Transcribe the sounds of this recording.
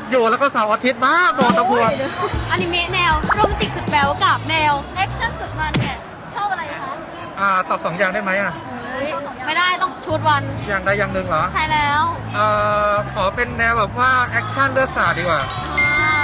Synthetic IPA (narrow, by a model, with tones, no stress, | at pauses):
juː˨˩lɛː˦˥wkɔː˥˩saː˩˦wʔaː˧t̪ʰi˦˥t̪̚maː˥˩k̚mɔː˧nːa˧˥pʰu˧əʔa˧nːiː˦˥me˦˥nɛː˧wɾɯ˥˩˨ma˦t̪i˨˩su˨˩t̪̚bɛː˨˦wka˨˩p̚nɛː˧wʔɛ˦˥k̚t͡ɕʰa˥˩nsu˨˩t̪̚ma˧nːi˧˥˩ɐ | t͡ɕʰa˥˩wʔa˧ɾa˧jʰa˦˥ | ʔaː˧˩t̪ɔː˨˩p̚sɔː˩˦ŋjaː˨˩ŋda˥˩jma˦˥jʔa˨˩ʔma˥˩jdaː˥˩jt̪ɔ˥˩ŋt͡ɕʰuː˦˧˥t̪̚wa˧njaː˨˩ŋdaː˥˩jaː˨˩ŋnɯ˨˩ŋlɔː˩˦t͡ɕʰa˦˥˩jlɛː˦˥w | ʔɤː˧˩kʰɔː˩˦pe˧nːɛː˧wbɛː˨˩p̚waː˥˩ʔɛ˦˥k̚t͡ɕʰa˥˩nlɯ˥˩ək̚saː˨˩t̪̚diː˧kwaː˨˩a